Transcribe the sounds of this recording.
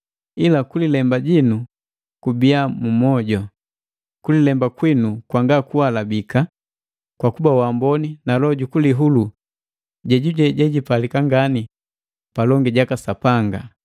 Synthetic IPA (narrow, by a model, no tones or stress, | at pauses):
ilakulilɛmbaɟinu | kubiamumɔɟɔ | kulilɛmbakwinukwaŋɡakuwalabika | kwakubawambɔninalɔɟukuliɦulu | ɟɛɟuɟɛɟɛɟipalikaŋɡani | palɔŋɡiɟakasapaŋɡa